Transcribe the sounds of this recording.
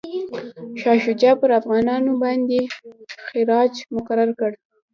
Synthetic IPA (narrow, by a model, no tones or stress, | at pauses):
ʃɑʃʊd͡ʒɑpəɾafɣɑnɑnobɑnd̪exɪɾɑd͡ʒmʊkaɾaɾkəɽ